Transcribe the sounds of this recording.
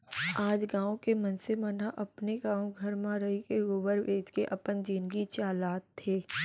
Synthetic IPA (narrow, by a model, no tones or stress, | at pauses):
aːd͡ʒɡãːõkemɐnsemənaʔɐpneɡãːõɡʱɐɾmãɾɐɦikeɡoːʋəɾʋeːd͡ʒkeʔɐpənd͡ʒiːnɡit͡ʃaːlaːt̪ʰːeː